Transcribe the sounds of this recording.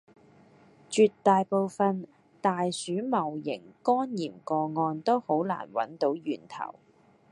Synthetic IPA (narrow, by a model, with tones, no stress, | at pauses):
t͡ʃyː˧t̪ːaː˨˧jpo˨˧wfɐ˨˧n | t̪aː˨jsyː˨˥mɐ˨˩wjɪ̰˨˩ŋkɔː˥njiː˨˩mkɔː˧ŋɔː˧nt̪o˥who˨˥wla̰ː˨˩nwɐ̰˨˥nt̪o˨˥wjyː˨˩nt̪ʰɐ̰˨˩w